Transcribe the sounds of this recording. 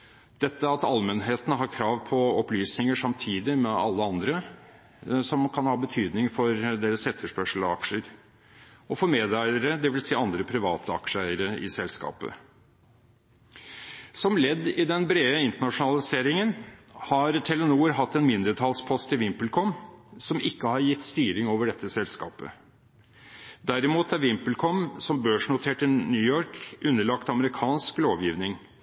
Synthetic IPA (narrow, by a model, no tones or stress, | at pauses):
d̪̥ɛt̪ːəɑt̪ɑlmɛnɦeːt̪ənəɦɑɾkʰɾɑːʋpʰɔɔplyːsnɪŋəʂɑmt̪ʰiːd̪ɪmɛɑ̰lːəɑnd̪ɾə | sɔmkʰɑnhɑːbət̪ʰyːd̪nɪŋfɔɾd̪eːɾəsɛt̪ʰːəʂpœʂl̩ɑkʂəɾ | ɔfɔɾmeːd̪æɪəɾəd̪ɛʋɪlsiːɑnd̪ɾəpʰɾɪʋɑːt̪ʰəɑ̰kʂəæɪəɾəɪ̰sɛlskɑ̰ːpə̰ | sɔmlɛd̪ːɪd̪ɛnbɾeːəɪnt̪əɳɑʂʊnɑlɪseːɾɪŋənhɑɾt̪ʰɛlənuːɾɦɑt̪ːɛnmɪnd̪ɾət̪ʰɑlspʰɔst̪ɪʋɪmplkʰɔmsɔmɪkːəhɑɾjɪt̪ːst̪yːɾɪŋoːʋəɖɛt̪ʰːəsɛlskɑ̰ːpə̰ | d̪æɾɪmuːt̪æɾʋɪmpəl̩kʰɔmsɔmbøːʂɳʊt̪ʰeːʈənyːjɔɾkʉnːəɭɑkt̪ɑməɾɪkʰɑːnskloːʋjiːʋnɪŋ